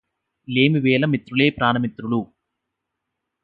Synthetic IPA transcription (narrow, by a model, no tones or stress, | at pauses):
leːmiʋeːlɐmit̪ɾuleːpɾaːnɐmit̪ɾulu